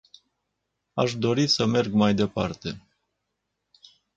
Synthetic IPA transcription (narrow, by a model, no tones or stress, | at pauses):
aʃd̪o̞ɾisəme̞rɡmajd̪e̞part̪e̞